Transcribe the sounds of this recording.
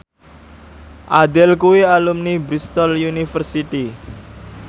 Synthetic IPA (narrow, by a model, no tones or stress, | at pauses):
ʔad̪ɛlkuwialumnibɾist̪ɔljunifərsit̪i